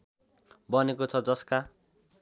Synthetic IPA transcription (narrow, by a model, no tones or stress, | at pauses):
bʌnekot͡sʰʌd͡zʌska